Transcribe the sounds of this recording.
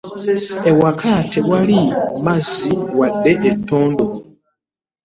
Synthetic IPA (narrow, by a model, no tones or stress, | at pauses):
ewakʰatʰewalimaziwadːe̞ʔetːoːndo